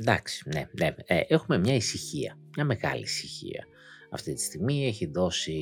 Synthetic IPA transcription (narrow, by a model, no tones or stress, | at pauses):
d̪ɐ̰ksi̥neneeʔexume̞mɲɐisiçiɐ̰mɲɐme̞ɣɐ̰lḭːsiçḭɐ̰ | ɐft̪it̪i̥st̪iɣmie̞çiðo̞si